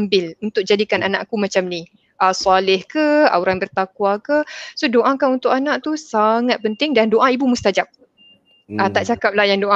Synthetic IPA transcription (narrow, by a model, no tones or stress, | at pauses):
mbɪlunt̪ʊk̚d͡ʒadikananaʔkumat͡ʃamni | ʔasalɪhkəauɾaŋbərt̪akwakəsodoʔakaunt̪ʊkanaʔt̪usaŋat̪̚pənt̪ɪŋdandoʔaibumust̪ad͡ʒap̚ | at̪aʔt͡ʃakap̚lahjaŋdoʔa